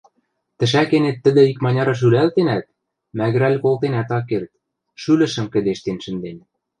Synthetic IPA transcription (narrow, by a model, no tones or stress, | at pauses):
t̪ə̆ʃækenet̪ːə̆d̪ɘ̆ikmɑnʲɑɾɑʃ̬ylælt̪enæt̪̚ | mæɣ̆ɾælʲkolt̪enæt̪ɑkːert̪̚ | ʃylɘ̆ʃə̆mkə̆d̪eʃt̪enʃɘ̆nd̪en